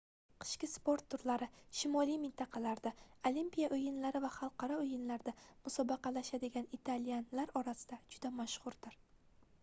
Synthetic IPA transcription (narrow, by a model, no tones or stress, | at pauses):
qʰɨ̥ʃkʲɪspo̞ɾt̪ʰːʊɾlaɾɪʃɪmɒlijmɪnt̪ʰɑqʰɑlaɾd̪aolimpʲijaʔojɪnlaɾɪvaχɑlˠqʰɑɾɒojɪnlaɾd̪amʊsɒbɑqʰɑlaʃad̪ɪɡʲanit̪ʰalijanlaɾɒɾasɪd̪̥ad͡ʒʊd̪amaʃχʊɾd̪̥ɪɾ